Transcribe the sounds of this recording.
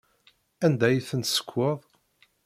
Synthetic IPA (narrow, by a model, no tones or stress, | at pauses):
ænd̪æjθənt̪sə̥kʷʰːəðˤ